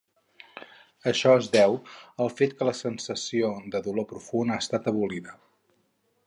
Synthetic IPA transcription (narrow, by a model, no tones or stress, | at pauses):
əʃɔezðɛwəlˠfet̪kələsənsəsiod̪əðulopɾufunaːst̪at̪əβuliðə